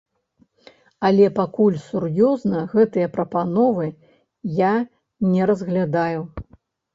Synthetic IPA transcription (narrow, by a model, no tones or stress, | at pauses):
ɐlʲɛpakulʲsurjɔznɐɣɛt̪ɨjɐpɾɐpanɔvɨ | ja | nʲɛɾɐzɣlʲad̪aju